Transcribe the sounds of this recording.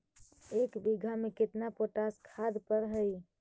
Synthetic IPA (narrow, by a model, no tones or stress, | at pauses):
ekbiɡʱameket̪napoʈaskʰad̪pəɾɦəj